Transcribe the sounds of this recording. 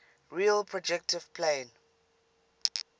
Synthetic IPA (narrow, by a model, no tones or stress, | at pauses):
ɹiəlpʰɹɔd͡ʒɛk̚tʰɪv̥pʰlẽːn